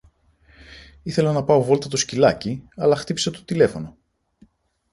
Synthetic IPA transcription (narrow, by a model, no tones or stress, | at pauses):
iθe̞lɐnɐpɐo̞vo̞lt̪ɐt̪o̞scilɐciɐlɐxt̪ipiset̪o̞̥t̪ile̞fo̞no̞